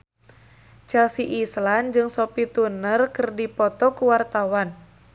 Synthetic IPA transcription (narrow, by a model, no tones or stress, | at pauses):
t͡ʃalsiʔisland͡ʒɨŋsɔpit̪unərkərdipɔt̪ɔkuwart̪awan